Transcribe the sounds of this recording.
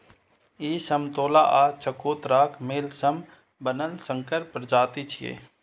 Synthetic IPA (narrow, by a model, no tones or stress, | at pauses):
iːsɐmt̪oːlaːʔaːt͡ʃʰɐkoːt̪ɾaːkʰmeːlsɐm | bənəlsəŋkəɾpɾəd͡ʒaːt̪it͡ʃʰijḛː